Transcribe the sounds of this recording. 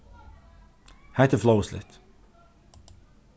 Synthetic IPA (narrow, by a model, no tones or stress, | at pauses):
hat̪əfloʊslɪ̰t